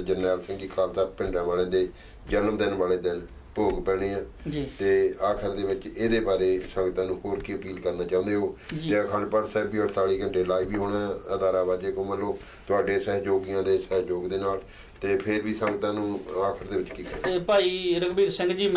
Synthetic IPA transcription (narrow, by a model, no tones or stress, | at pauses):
d͡ʒənːɛːlsɪ̃ŋɡiːkʰaːlt̪aːpɪ̃ɳɖãːʋaːlẽːd̪eː | d͡ʒəlmd̪ɪnʋaːleːd̪ɪn | poːɡpɛːɽ̃eːãːd͡ʒit̪eːaːkʰəɾd̪eːʋɪt͡ʃeːd̪eːbaːɾeːsə̃ŋɡt̪ãːnũːɦoːɾkiːəpiːlkəɾnaːt͡ʃãːũːnd̪eːɦoːd͡ʒt̪eːəkʰaːɳɖpəɽsɛːbiːəʈʰt̪aːɽiːɡəɳʈeːlaːiːʋiːɦoːɽaəd̪aːɾaːbaːd͡ʒeːkõːməlːoː | t̪ʊaːɖeːsɛːɦd͡ʒoːɡijãːd̪eːsɛːɦd͡ʒoːɡd̪eːnaːl | t̪eːpʰɪɾʋiːsəŋɡt̪ãːnũːaːkʰəɾd̪eːʋɪt͡ʃkiːkəpaːiːɾəɡbiːɾsɪ̃ŋɡd͡ʒiː